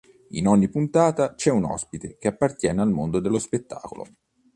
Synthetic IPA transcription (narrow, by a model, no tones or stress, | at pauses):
ḭnɔɲːipunt̪aːt̪at͡ʃɛunɔ̰spit̪ek̟eapːart̪jɛːnealmond̪od̪elːospet̪ːa̰ːko̰lo̰